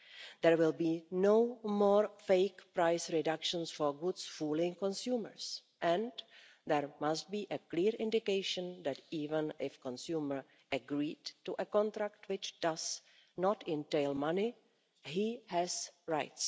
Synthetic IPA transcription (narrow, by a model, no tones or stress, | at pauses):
d̪ɛɹwɪlbiːnowmɔːɾfeɪkpɾajsɹɪdakʃə̃nsfoɹɡʊdsfulɪ̃ŋkõnsjuːməɹs | ʔɛ̃n | d̪ɛɹmast̚biːʔəkliːɹʔɪ̃ndɪkeɪʃə̃nd̪ɛtiːvə̃nʔɪfkɔ̃nsjuːməɹ | ʔəɡɾiːdtuʔəkɔ̃nt̪ɾak̚twɪt͡ʃd̥az | nɔtɪ̃nteɪlmanɪ | ɦihɛsɹaɪts